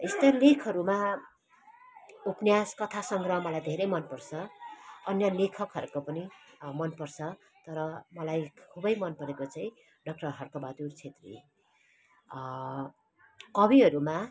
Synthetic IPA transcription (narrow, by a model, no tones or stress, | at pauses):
est̪ʌlekʰʌɾuma | upnjaskʌt̪ʰasʌŋɡrʌmʌlajd̪ʱeɾʌjmʌnpʌrt͡sʰʌʌnjʌlekʰʌkɦʌɾukopʌnimʌnpʌrt͡sʰʌ | t̪ʌɾʌmʌlajkʰubʌjmʌnpʌɾekot͡saĩ | ɖʌk̚ʈʌrɦʌrkʌbad̪urt͡sʰet̪rḭ | kʌbiɦʌɾuma